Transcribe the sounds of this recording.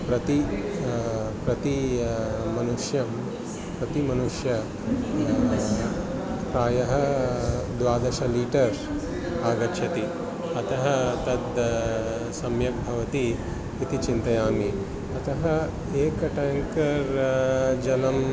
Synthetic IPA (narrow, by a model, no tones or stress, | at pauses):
pɾɐt̪i | pɾɐt̪i | mɐnuʂjɐm | pɾɐt̪imɐnuʂjɐ | pɾaːjɐɦɐ | d̪ʋaːd̪ɐʃɐliːʈɐɾ | aːɡɐʃʰjɐt̪i | ɐt̪ɐɦɐt̪ɐd̪ | sɐmjɐk̚bʱɐʋɐt̪iː | t̪it͡ʃint̪ɐjaːmi | ɐt̪ɐɦɐ | eːkɐʈaːŋkɐɾ | d͡ʒɐlɐm